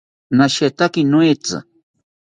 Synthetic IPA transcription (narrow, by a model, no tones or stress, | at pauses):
naʃet̪akinwet͡sa̰